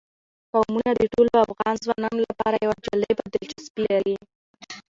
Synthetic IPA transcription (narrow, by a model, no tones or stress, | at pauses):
pawmunad̪əʈoloafɣɑnzwɑnɑnolapɑɾajawad͡ʒaləjbad̪ɪlt͡ʃaspilali